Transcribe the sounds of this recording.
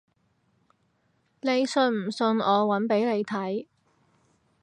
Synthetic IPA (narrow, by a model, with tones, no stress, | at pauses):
ne˨˧jsɵ˧nm̩˨˩sɵ˧nɔː˨˧wɐ˨˥npe˨˥jne˨˧jt̪ʰɐ˨˥j